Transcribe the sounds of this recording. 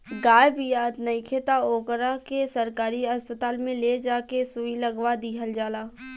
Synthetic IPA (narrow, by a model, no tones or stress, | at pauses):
ɡaːjbijaːt̪nɐikʰeːt̪aoːkəɾakesɐɾkaːɾiɐspət̪aːlmẽled͡ʒaːkesuilɐɡʋad̪iːɦəld͡ʒaːlaː